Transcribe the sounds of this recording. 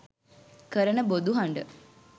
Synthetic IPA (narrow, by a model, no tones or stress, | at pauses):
kəɾənəbod̪uɦaɳɖə